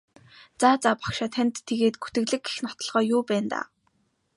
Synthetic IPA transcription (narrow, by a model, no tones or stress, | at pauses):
t͡saːt͡saːpḁkʃaːt̪ʰanʲt̪ʰːeɣeːt̪̚ɡu̥t̪ɘ̆ɣɮɘ̆ɡ̚ɡe̥xnɔt̪ɞ̆ɮʁœːjʊːpæːnt̪a̰ː